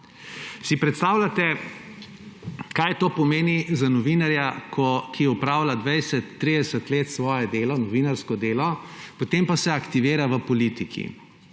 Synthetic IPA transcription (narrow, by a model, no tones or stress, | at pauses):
sipɾɛt̪st̪aːwlʲat̪ɛ | kajt̪oːpɔmeːnizanɔʋinaɾjakʰɔkiɛupɾaːwlad̪ʋɛjsɛt̪ːɾid̪ɛsət̪leːt̪sʋɔːjɛd̪eːlɔnɔʋiːnaɾskɔd̪eːlɔpot̪empasɛakt̪iʋeːɾaʋəpɔlit̪ikʰḭ